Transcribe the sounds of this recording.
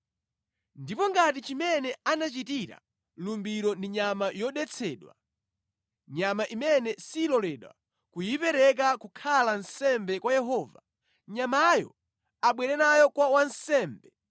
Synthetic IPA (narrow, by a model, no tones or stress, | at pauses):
ndipɔŋɡat̬it͡ʃimɛnɛanat͡ʃitiɾa̰ | lumbiɾɔndiɲamajɔɗɛt͡sʰɛːɗwa̰ | ɲamaʔimɛnɛsiːlɔlɛɗwa̰ | kujipɛɾɛk̬akukʰalansɛmbɛkwajɛɦɔːva | ɲamajɔ̰ | aɓwɛɾɛnajɔkwawansɛːmbɛ